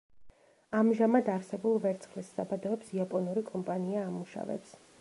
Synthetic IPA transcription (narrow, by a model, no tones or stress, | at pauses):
amʒamad̪aɾsɛbulˠvɛɾt̪sʰχlissabad̪ɔɔpsiapʼɔnuɾikʼɔmpʼaniaːmuʃa̰vɛ̰ps